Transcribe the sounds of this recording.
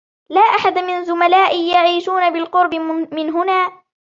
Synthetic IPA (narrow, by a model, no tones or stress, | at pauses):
laːʔaħad̪amɪnzʊmalaːʔɪjaʕiːʃuːnabɪlqʊɾbɪmɪnɦʊnaː